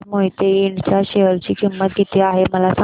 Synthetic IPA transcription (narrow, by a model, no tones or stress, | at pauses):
moɦit̪eiɳt͡ɕjaɕeʋəɾt͡ɕiːkimːət̪̚ɡʱit̪iaɦeməlasa